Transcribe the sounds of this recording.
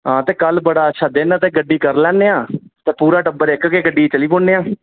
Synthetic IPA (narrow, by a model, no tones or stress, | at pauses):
ɦãːt̪eːkəlbəɽaːətːʃʰaːd̪ɪnaːt̪eːɡəɖːiːkəɾlɛ̃ːneːãːt̪eːpuːɾaːʈəbəɾɪkkeːɡəɖiːt͡ʃəliːpʊɳeːãː